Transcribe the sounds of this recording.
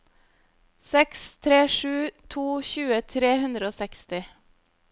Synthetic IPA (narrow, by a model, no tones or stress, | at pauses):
sɛkst̪ʰɾeːʃʉːt̪ʰuːçʉːət̪ʰɾeːhʉnd̪ɾəoːsɛkst̪ɪ